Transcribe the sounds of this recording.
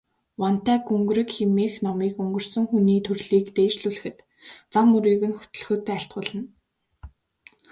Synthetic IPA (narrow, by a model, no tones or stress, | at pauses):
wɔn̥t̪æːɡɵŋɡ̆ɾɘ̆kxemiːxnɔmiːkɵŋɡɵ̆r̥sɵ̆ŋxuniːt̪ʰɵrɮiːkt̪eːʃɮuɮɘ̆xɘ̆t̪ | t͡samːɵɾiːɣɘ̆nxɵ̥t̪ɵ̆ɮxoːt̪ːæːaɬt̪ɢʊːɮə̆n